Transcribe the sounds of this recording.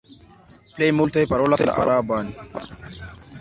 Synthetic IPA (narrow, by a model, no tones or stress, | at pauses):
plejmult̪ajpaɾoːlasla̰ʔa̰ɾʔaban